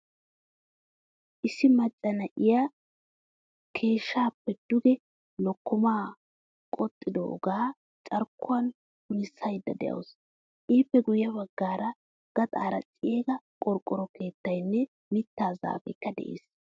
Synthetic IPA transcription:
ʔɪsːɪmɐt͡ʃʼːɐnɐʔɪja | kʰe̞ːʃːaːpːɛd̪̥ʊɡɛ | lɔkːɔmaː | kʼɔt̪ʼːɪd̪ɔʔɔ̰ɡaː | t͡ʃʼɐɾkːʊwɐn | hʊnɪsːɐjd̪ːɐ̰d̪ɛ̰ʔɐ̰ws | ʔiːpːɛɡʊjːɐbɐɡːaːɾɐ | ɡ̥ɐt̪ʼa̰ːɾɐ̰t͡sʼːɪjeːɡɐkʼɔɾkʼːɔɾɔkʰe̞ːt̪ːɐjnːɛ | mɪt̪ːaːza̰ːfɛkːɐd̪ɛ̰ʔḛːs

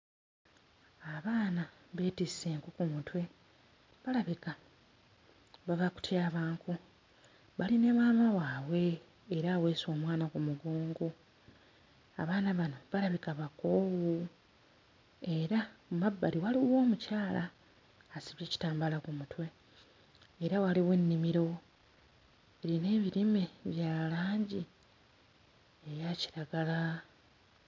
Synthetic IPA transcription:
aβaːnaβe̞ːtisseːŋkukumutwe̞ | βalaβika | βavaku̥tʰjaːβaːŋku | βaline̞maːmawaːβwe̞ː | ɾaːwe̞ːso̞ːmwaːnakumuɡoːŋɡo | aβaːnaβano̞βalaβikaβako̞ːwu | e̞ɾaumabːaliwaliwo̞ːmucaːlaː | siβjeːci̥taːmbalakumutwe̞ː | ɾawaliwe̞nːimiɾo̞ | eɾine̞ːβiɾime̞βjaːlaːɲɟi | ejaci̥ɾaɡala

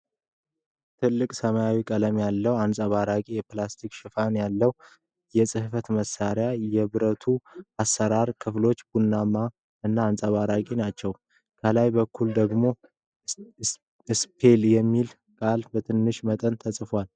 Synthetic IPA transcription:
t̪ʰɨlːɨkʼsəmajawikʼələmjalːəwansʼəβaɾakʼijɛplast̪ʰikʃɪfanjalːəw | jɛsʼɨhfət̪məsːaɾjajɛβɨɾət̪ʰuasːəɾaɾkʰɨflo̞t͡ʃːb̥unːamːa | ɨnːaːnsʼəβaɾakʼinat͡ʃːɛw | kʰəlajbəkʰːuld̪əɡmo̞ | ɨspʰe̞ljɛmːil | kʼalbət̪ʰɨnːɨʃmət̪ʼənt̪ʰəsʼɨfwal

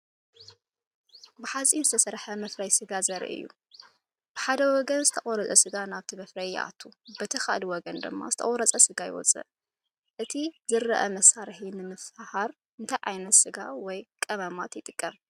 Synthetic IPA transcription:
bɨħat͡sʼinzɨt̪ʰɐsɐɾħɐmɐfɾɐjsɨɡazɐɾḭʔɨ̰jːṵ | b̥ɨħad̪ɐwɔɡɐnzɨt̪ʰɐʔʼɔɾɐt͡sʼɐ̰sɨɡanaβt̪ʰimɐfɾɐjʔa̰t̪ʰːubɐt̪ʰɐxa̰ʔliwɔɡɐnd̪ɨ̰mːa̰zɨt̪ʰɐχʼɔɾɐt͡sʼɐsɨɡajɪ̰wɔ̰t͡sʼɨ̰ʔ | ʔɨt̪ʰizɨɾɐʔɐmɐsaɾħinɨmɨfahaɾ | ɨnt̪ʰajʕajnɐt̪sɨɡa̰wɔjkʼɐmɐmat̪jɪt̪ʼɨkʼːɐm

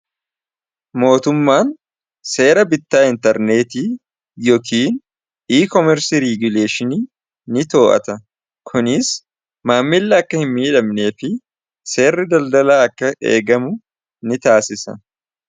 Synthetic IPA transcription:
mo̞ːt̪ʊmːaːn | se̞ːɾɐbɪt̪ːaːɪnt̪ɐɾne̞ːt̪iː | jɔkiːn | ʔiːkɔmɛɾsiɾiɡʊle̞ːʃɪniː | nɪt̪o̞ːʔɐ̰t̪ɐ | kʰʊnɪs | maːmːɪlːɐːkːɐhɪmːiːᶑɐmne̞ːfɪ | se̞ːrːɪd̪ɐld̪ɐlaːɐkːɐeːɡɐmʊ | nɪt̪aːsɪsɐ̰

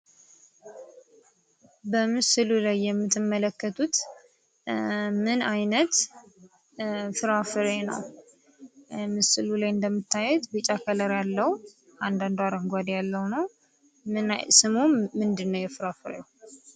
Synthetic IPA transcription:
bəmɨsɨlulajːɛmːɨt̪ːɨmːələkːət̪ʰut̪ | mɨnajnət̪ | fɨɾafɨɾenə̰w | mɨsɨlulajɨnd̪əmːɨt̪ːajɛt̪bɨt͡ʃʼakʰələɾjalːəhu | ʔand̪and̪aɾəŋɡʷad̪jalːəwnəw | ɨnsɨmomɨnd̪ɨnːəwjɛfɨɾafɨɾḛw

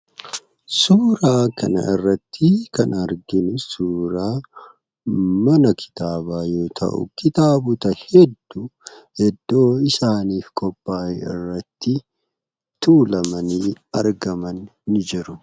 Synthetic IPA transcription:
suːɾaːkʰɐnɐ̰ɪrːɐt̪ːɪkɐnɐɾɡɪnɪsuːɾaː | mɐnɐkʰɪ̥t̪aːbaːjo̞ːt̪ʰɐ̰ʔʊ̰kɪt̪aːbʊt̪ɐhɛd̪ːuhɛd̪ːo̞ːɪsaːniːfkʰɔpːaːɪ̰rːɐt̪ːɪ | t̪uːlɐmɐniːɐɾɡɐmɐnːɪd͡ʒɪɾʊ

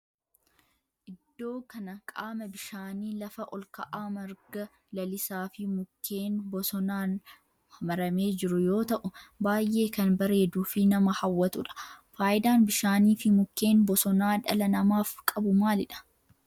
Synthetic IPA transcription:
ʔɪd̪̥ːo̞ːkɐnɐkʼaːmɐbɪʃaːniːlɐfɐʔɔlkɐʔaːmɐɾɡɐ | lɐlɪsaːfɪmʊkʰːe̞ːnbɔsɔnaːn | hɐmɐɾɐme̞ːd͡ʒɪɾʊjo̞ːt̪ɐʔʊbaːjʔːe̞ːkɐnbɐɾe̞ːd̪uːfɪnɐmɐhɐwːɐt̪ʊᶑɐ̥faːjɪd̪aːnbɪʃaːniːfɪmʊkːe̞ːnbɔsɔnaːᶑɐ̰lɐnɐmaːfkʼɐbʊmaːlɪᶑɐ̥

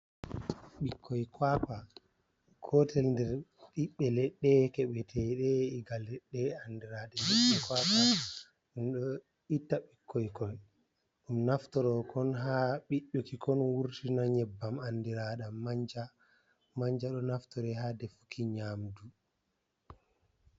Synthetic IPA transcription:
ɓikʰːɔjkwapa | kʰɔtɛlndɛɾɗiɓːɛlɛɗːɛkɛɓɛtʰɛɗɛiɡalɛɗːɛandiɾaɗɛlɛɛkwaka | ɗumɗɔ | itːaɓikʰːɔjkɔj | ɗumnaftɔɾɔkɔnɦaɓiɗːukikʰɔnwuɾtinaɲɛbːamandiɾaɗamaɲd͡ʒa | maɲd͡ʒaɗɔnaftɔɾɛhadɛfu̥kʰiɲaːmdu

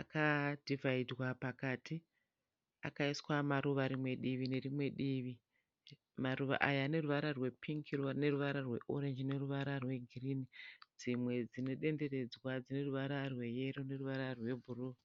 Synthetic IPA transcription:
akadʱivaidwapakaːti | akaiswamaɾuʋaɾimwe̞ɗiʋine̞rimwe̞ɗiːʋi | maruʋa̰ʔajaːne̞ruʋaɾarwe̞pʰiŋkʰirne̞ruʋaɾarwe̞̰ʔo̞ɾe̞nd͡ʒine̞ruʋaɾarwe̞ɡʱirinid͡zimwe̞d͡zine̞ɗe̞nde̞re̞d͡zwad͡zine̞ruʋaɾarwe̞je̞ɾone̞ruʋaɾarwe̞bʱuruː

